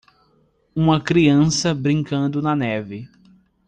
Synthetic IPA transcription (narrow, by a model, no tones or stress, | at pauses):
ũmɐkɾiɐ̃sɐbɾĩŋkɐ̃nd̪ʊnɐnɛvɪ